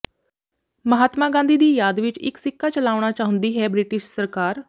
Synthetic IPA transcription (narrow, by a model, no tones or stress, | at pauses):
məɦaːt̪mãːɡãːnd̪iːd̪iːjaːd̪ʋɪt͡ʃɪ̰ksɪkʰːaːt͡ʃəlaːɽ̃aːt͡ʃaːɦʊ̃nd̪iːɦɛːbɾɪʈɪʃsəɾkaːɾ